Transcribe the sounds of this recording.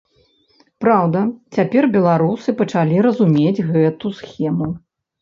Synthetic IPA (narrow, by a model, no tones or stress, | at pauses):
pɾawd̪ɐt͡sʲapʲɛrbʲɛlˠaɾusɨpɐt͡ʂalʲiɾɐzumʲed͡zʲɣɛt̪usxʲɛmu